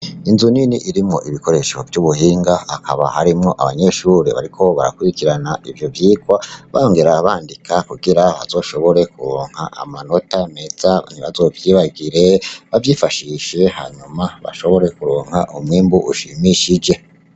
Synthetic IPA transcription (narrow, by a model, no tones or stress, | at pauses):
inzuniniʔiɾimŋo̞̰ʔiβiko̞ɾe̞ʃo̞̰vjuβuɦiːŋɡaakʰaβa̰haɾimŋo̞ʔaβaɲe̞ʃuːɾe̞βa̰ɾikʰo̞βa̰ɾa̰kuɾikiɾanaʔivjo̞vjiːɡwaβajoŋɡe̞ɾaβaːndikʰakuɡiɾaβa̰zoːʃo̞βo̞ɾe̞kuɾoːŋ̥ha̰ʔa̰mano̞tame̞z̥an̥iβazo̞ːvjiːβaɡiɾe̞βavjiːfaʃiʃe̞ha̰ɲumaβa̰ʃo̞βo̞ɾe̞kuɾoːŋhaʔumwiːmbuʔuʃimiʃid͡ʒe̞